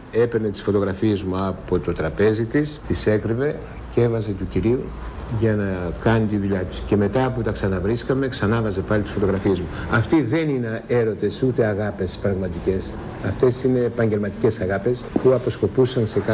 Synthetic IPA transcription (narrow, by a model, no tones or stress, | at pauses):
e̞pe̞ɾne̞t̪i̥sfo̞t̪o̞ɣɾɐfiezmuɐpo̞t̪o̞t̪ɾɐpe̞zit̪ist̪ise̞kɾive̞ | ce̞vɐze̞t̪uciɾiu | ʝɐnɐkɐnit̪iðuʎɐt̪i̥sce̞me̞t̪ɐːput̪ɐksɐnɐvɾiskɐme̞ksɐnɐvɐze̞pɐlit̪i̥sfo̞t̪o̞ɣɾɐfie̞zmuɐft̪iðe̞ninee̞ɾo̞t̪e̞sut̪e̞ɐɣɐpe̞spɾɐɣmɐt̪ice̞s | ɐft̪e̞sine̞ːpɐɲɟe̞lmɐt̪ice̞sɐɣɐpe̞spuɐpo̞sko̞pusɐnse̞kɐ